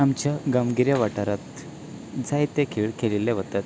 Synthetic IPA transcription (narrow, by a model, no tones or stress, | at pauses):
amt͡ɕaɡamɡiɾjaʋaʈaɾat̪ | d͡zajt̪ekʰeɭkʰelileʋət̪at̪